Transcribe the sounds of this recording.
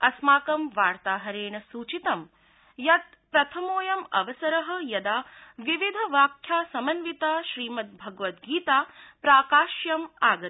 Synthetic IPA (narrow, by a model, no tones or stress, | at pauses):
ɐsmaːkɐmʋaːɾt̪aːɦɐɾeːɳɐsuːt͡ʃit̪ɐm | jɐt̪̚ | pɾɐt̪ʰɐmoːjɐmɐ̰ʋɐsɐɾɐɦɐ̆jɐd̪aːʋiʋid̪ʱɐʋaːkʰjaːsɐmɐnʋit̪aːʃɾiːmɐt̪̚bʱɐɡʋɐt̪̚ɡiːt̪aːpɾaːkaːʃjɐmaːɡɐ